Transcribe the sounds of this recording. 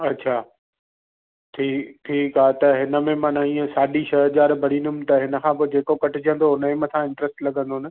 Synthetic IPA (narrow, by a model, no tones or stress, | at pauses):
ɐtːɕʰaː | ʈʰiːʈʰiːkaːt̪ɐɦɪnə̆mẽmãːnaĩːə̃saːɗiʃɐɦʄaːɾbʱɐɽĩːnd̪ʊmɪ̆t̪ɐɦɪnə̆kʰãp̬od͡ʑeːkokɐʈʰɪd͡ʑə̃nd̪oɦʊnəemɐsʰãɪ̃ɳʈɾəsʈlɐɠə̃nd̪onə̆